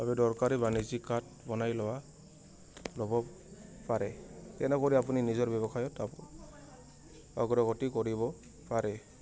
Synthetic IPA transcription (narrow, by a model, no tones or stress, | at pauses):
babɛdɔɹkaɹibanizikat̚ | bɔnajlɔwa | lɔbɔ | paɹɛtɛnɔkɔɹiapuninizɔɹbɛβɔxʰajɔt | a̰ɡɔɾɔɡɔtikɔɹibɔ | paɹɛ